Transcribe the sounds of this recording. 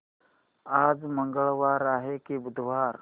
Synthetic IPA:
ad͡zməŋɡəɭʋaɾaːɦekibʊd̪ʱʋaɾ

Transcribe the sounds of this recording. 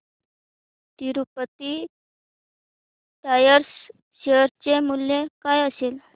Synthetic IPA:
t̪iɾupət̪i | t̪ajəɾs | ɕeəɾt͡ɕemuljekajəsel

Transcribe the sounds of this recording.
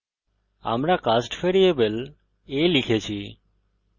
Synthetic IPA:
a̰ːmɾaːkaːsʈfʰeːɾieːbəl | eːlɪkʰeːt͡ʃʰiː

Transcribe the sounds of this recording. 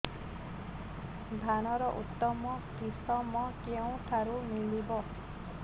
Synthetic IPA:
bʱanɔɾɔʔut̪ːɔmɔkisɔmɔkew̃ʈʰaɾumilibɔ

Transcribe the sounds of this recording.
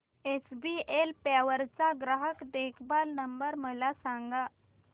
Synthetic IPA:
esbielpaʋəɾt͡saɡɾaɦəkd̪ekʰbalnəmbəɾməlasaŋɡa

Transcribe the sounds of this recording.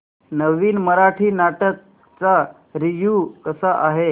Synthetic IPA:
nəʋiːnməɾaʈʰiːnaʈək̚ | t͡sa | ɾiʋjukəsaʔaɦe

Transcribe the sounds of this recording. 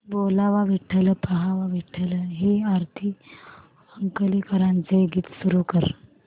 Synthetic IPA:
bolaʋaʋiʈʰːələpəɦaʋaʋiʈʰələɦeaɾt̪ʰi | əŋkəlekəɾãnt͡seɡiːt̪suɾukəɾ

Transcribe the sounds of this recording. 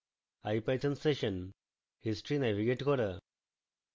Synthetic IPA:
ajpajt͡sənseɕən | hisʈɾinɛʋiɡeʈkɔɾə

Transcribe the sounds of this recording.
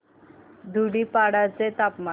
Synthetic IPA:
d̪ʱuɽipaɽat͡set̪apma

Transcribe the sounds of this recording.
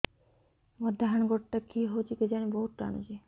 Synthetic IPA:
mɔd̪ʱːaɦanɡoʈʈakiɦot͡ɕiked͡ʑaneboɦut̪ɾa̰nṵd͡ʑi

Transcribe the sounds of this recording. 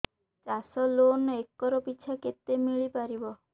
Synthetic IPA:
t͡ʃasɔlonekːɔɾɔpiːt͡ʃʰaket̪ːemiɭipaɾibɔ

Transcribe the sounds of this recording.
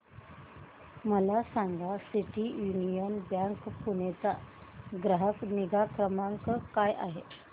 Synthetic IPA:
məlasaŋɡasiʈijunijənbjaŋkpunet͡saɡɾəɦəkniɡakɾəmaŋkəkajʔa̰ɦe

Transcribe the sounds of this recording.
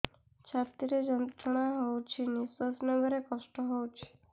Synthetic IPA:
t͡ʃʰat̪iɾed͡ʒənt̪ɾəɳ̃aɦowt͡ʃʰenisəsnebʱəɾekɔsʈɔɦowt͡ʃʰe̥

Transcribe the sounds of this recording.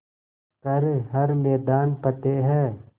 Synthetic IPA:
kɐɾeɦɐɾmɛːd̪aːnpɐt̪eɦɛː

